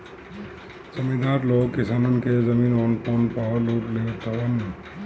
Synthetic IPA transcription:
sɐmid̪ʱaːɾloːkkːɪsaːnonkezɐmiːnɔːnpoːnpaːluːʈleʋt̪aʋɐnː

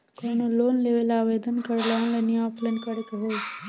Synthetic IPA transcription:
konoloːnleːʋelaːʋeːd̪ənkəɾlalenɪjaːpʰlənkəɾkeɦoː

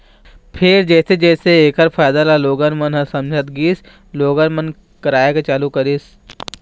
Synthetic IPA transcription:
pʰɪɾd͡ʒɛːsed͡ʒɛːseeːkəɾpʰaːjd̪alaloːɡənmənɦɐ̃sɐmd͡ʒʱət̪ɡiːs | loːɡənmən | kɐɾaːjeket͡ʃaːlukɐɾis

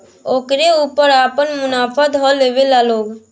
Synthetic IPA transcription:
okɾeupəɾapənmʊnapʰəd̪ɦɔlebelaloɡ

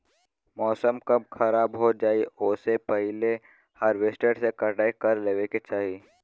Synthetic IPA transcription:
mɔːsəmkɐb̚xʰɐɾaːbɦod͡ʒaːioːsepəɦɪle | həɾʋesʈeɖsekəɖaːikəɾleːʋeket͡ʃaːɦi

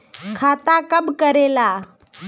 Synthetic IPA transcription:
kʰat̪akəbkəɾela

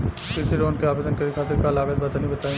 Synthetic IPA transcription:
kit̪ʰiɾonkeabed̪ɔnkaɾikʰat̪iɾkalaɡad̪̚bat̪anibet̪aj

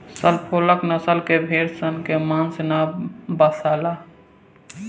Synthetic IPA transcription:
səlpʰoːləknəsəlkebʱeːɾsənkemãnsnabəsaːla

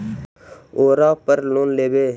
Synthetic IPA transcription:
oːɾaːpəɾloːnleːbeː

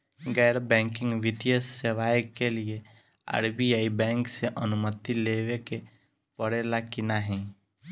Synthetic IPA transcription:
ɡɛːɾbɛ̃ːŋkɪ̃ŋɡʋɪt̪ijəsːeʋaːjəkːelie | a̰ɾbiaːibɛ̃ːŋkseʔənʊmət̪ileːʋeke | pəɽelakɪnaɦɛ̃ː

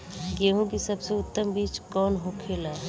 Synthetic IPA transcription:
ɡeːɦũkisɐbseʊt̪ːəmbiːt͡ʃkɔːnɦokʰeːlaː

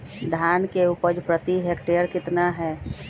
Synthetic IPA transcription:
d̪ʱaːnkeupəd͡ʒpɾət̪iɦekʈeəɾkɪt̪naɦɛː

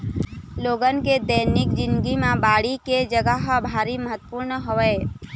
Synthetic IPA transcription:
loːɡənked̪əjnɪk̚d͡ʒɪ̃nd̪ɡimãbaːɽiked͡ʒəɡəɦəbʱaːɾiməɦət̪ːpuɾnɦoʋe

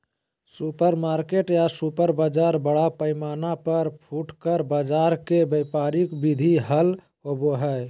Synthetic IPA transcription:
supəɾmaːɾkeʈjasupəɾbaːd͡ʒaːɾbəɽapəɪmaːnapəɾpʰuːʈkəɾbad͡ʒaːɾkebəpaːɾikbid̪ʱiɦəl | ɦoboɦɛ

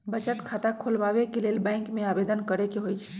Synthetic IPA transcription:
bət͡ʃət̪kʰaːt̪akʰoːlʋaːʋekeleːlbɛ̃ːŋkmẽaːbeːd̪ənkəɾekeɦoit͡ʃʰɛ̥

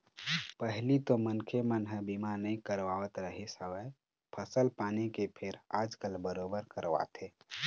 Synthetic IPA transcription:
pəɦlit̪omənkʰemənɦə̃bimanəĩkəɾʋaːwət̪ɾəɦesəwəe | pʰəsəlpaːnikepʰeɾaːd͡ʒkəlbəɾoːbəɾkəɾʋa̰t̪ʰe

